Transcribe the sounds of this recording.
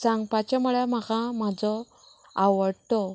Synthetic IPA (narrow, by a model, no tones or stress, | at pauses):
sãŋɡpat͡ɕamuɭamakam̤ad͡zɔ | aʋəɽt̪ɔ